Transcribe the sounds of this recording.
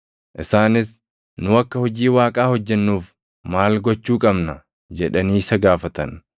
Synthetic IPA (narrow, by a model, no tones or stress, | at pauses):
ʔɪsaːnɪs | nʊɐkːɐhɔd͡ʒiːwaːkʼaːhɔd͡ʒːɛnːuːf | maːlɡɔt͡ʃːuːkʼɐbnɐ | d͡ʒɛᶑɐniːsɐɡaːfɐt̪ɐn